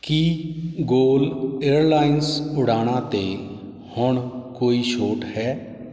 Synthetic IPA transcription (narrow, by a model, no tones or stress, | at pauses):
kiɡoːleːɾlaːɪnsʊɽaːɽ̃ãːt̪eː | hʊɳkoːiːʃoːʈhɛː